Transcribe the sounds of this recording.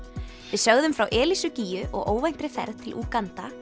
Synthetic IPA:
vɪðsœɣðʏmfɾawʔɛːlisʏciːjʏʔɔ̰ɣʔo̰ːwvajn̥t̪ɾɪθɛ̰ɾðt̪ʰɪlʔuːkant̪a

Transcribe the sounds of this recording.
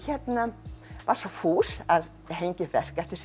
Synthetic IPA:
çɛt̪navaɾ̥sɔfuːsað | ɦejɲcɪfɛr̥kɛft̪ɪɾ̥

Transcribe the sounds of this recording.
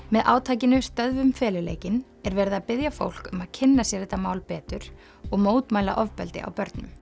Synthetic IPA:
mɛðʔaːwt̪ʰaːjcɪnʏst̪œðvʏmfɛːlɪleːjcɪn | ɛɾvɛːɾɪðapɪðjafo̰wl̥kʏmaðcʰɪnːasjɛɾɪt̪amaːwlpɛːt̪ʏɾ̥ | ɔɣmoːwt̪maːjla̰ʔɔvpɛ̰lt̪ɪ̰a̰wpœɾt̪nʏm

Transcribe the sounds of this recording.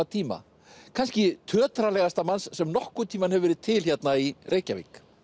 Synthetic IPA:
at̪ʰiːma̰ | kʰanscɪt̪ʰœːt̪ɾalɛɣast̪amansːɛmnɔhkʏt̪ʰiːmanɦɛvɪvɛɾɪðt̪ʰɪlçɛt̪nairʔeːjcavḭk

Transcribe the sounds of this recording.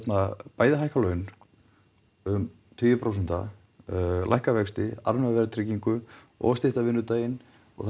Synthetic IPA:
t̪napaːjðɪɦajhkalœɥn | ʏm | t̪ʰʏːjʏpʰɾows̬ɛn̥t̪a̰ | la̰jhkavɛkst̪ɪa̰ɾmɛvɛɾt̪ʰɾɪciŋkʏ | ɔ̰ɣst̪ɪht̪avɪnːʏt̪aːjɪn | ɔ̰ɣθ

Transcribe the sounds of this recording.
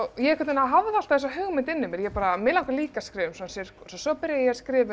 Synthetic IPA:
ɣjɛɛkʰɛt̪naɦavðɪal̥t̪aðɛs̬ɔɦʏɣmɪnt̪ɪnːʏmɛɾjɛpaːɾamɪlawŋkaliːkaskɾɪːvʏmsɔnsɛɾ̥sɔsɔpɪɾjajɛskɾɪːvʏ

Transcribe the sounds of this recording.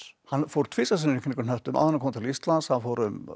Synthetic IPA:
hanfɔɾt̪ʰvɪsas̬ɪnɪnɪknɪkʏnœht̪ʏmʔa̰ðhanːkʰɔmat̪ʰɪlist̪lansaðfɔːɾʏm

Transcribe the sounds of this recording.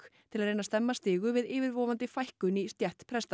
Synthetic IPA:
kt̪ʰɪlaðɾreːjnast̪ɛmːast̪ɪːɣʏvɪðɪːvɪɾvɔːvant̪ɪfajhkʏnist̪jɛht̪pʰɾɛst̪a

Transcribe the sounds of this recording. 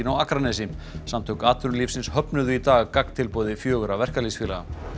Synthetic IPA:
ɪnawakɾanɛsɪm | samt̪ʰɔwkaːt̪ʏɾliːfsɪnshœpnʏðʏit̪aːɣkak̪t̪ʰɪlpɔwðɪfjœːɣʏɾavɛr̥kalisfiːlaɣa̰

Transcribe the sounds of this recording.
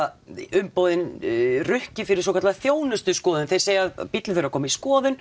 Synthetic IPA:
ʏmpoːwðɪnrʏhcɪfɪɾɪɾsɔkʰat̪laðθjoːwnʏst̪ʏskɔːðʏnθejɾ̥seːjaaðpit̪lɪθeɾakʰɔːmaiskɔːðʏn

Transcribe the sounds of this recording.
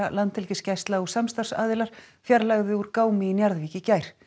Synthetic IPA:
alant̪ʰɪlcɪscajst̪laɣu̥samst̪ar̥sa̰ːðɪlaɾ̥ | fjaɾlaɣðɪuɾkaːwmɪinjaɾðviːcɪcaːjɾ̥

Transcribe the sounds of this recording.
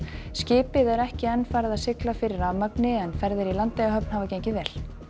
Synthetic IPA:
scɪːpɪðɛɾɛhcɪɛnːfaːɾɪðaðsɪklafɪɾɪɾamœpnɪɛnfɛɾðɪɾilant̪lɛjɣaɦœp̚n̥havacejɲcɪvɛːl̥

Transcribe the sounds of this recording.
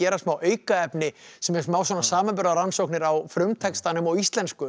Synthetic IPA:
ɛːɾasmaːwœːɥkaɛpnɪsɛmɛɾmaːwswɔːnasaːmampʏɾðaɾansowknɪɾawfɾʏmt̪ʰɛkst̪anʏmɔɣist̪lɛnskʏ

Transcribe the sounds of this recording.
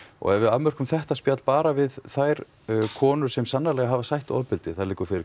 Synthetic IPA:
ɔ̰ɣɛvɪðaðmœr̥kʏmθɛht̪aspjat̪l̥paːɾavɪðθajɾ̥ | kʰɔːnʏɾ̥sɛmsanːalɛɣaɦavasajht̪ɔ̰ðpɪlt̪ɪθaðlɪːkʏɾfɪɾɪ

